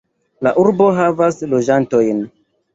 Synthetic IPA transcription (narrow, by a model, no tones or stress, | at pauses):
la̰ʔuɾbo̞ɦavaslo̞d͡ʒanto̞jn